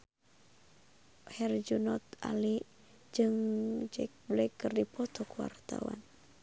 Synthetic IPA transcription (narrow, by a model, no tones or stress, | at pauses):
hɛrd͡ʒunɔt̪ali | d͡ʒɨŋd͡ʒɛk̚blɛkːɨrdipʰɔt̪ɔkuwa̰rt̪a̰wa̰n